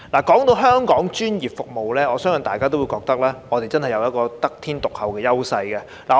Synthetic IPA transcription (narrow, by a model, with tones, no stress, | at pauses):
laː˨˩kɔː˨˥ŋt̪o˧wɦœː˥ŋkɔː˨˥ŋt͡ʃyː˥njiː˨p̚fʊ˨k̚mo˨wlɛː˥ɔː˨˧sœː˥ŋsœ˨nt̪aː˨jkaː˥t̪o˥wju˨˧jkɔː˧k̚t̪ɐ˥k̚lɛː˥ŋɔː˨˧t̪e˨jt͡sɐ˥nhɐ˨jɐ˨˧wjɐ˥t̚kɔː˧t̪ɐ˥k̚t̪ʰiː˥nt̪ʊ˨k̚hɐ˨wkɛː˧jɐ˥wsɐ˧jkɛ˧ | laː˨